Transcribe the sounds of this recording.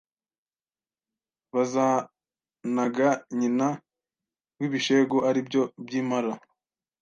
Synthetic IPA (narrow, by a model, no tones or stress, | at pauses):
βazaː | naɡaɲina | ɡwiːβiʃe̞ɡoʔaɾibɟo̞bjiːmaɾa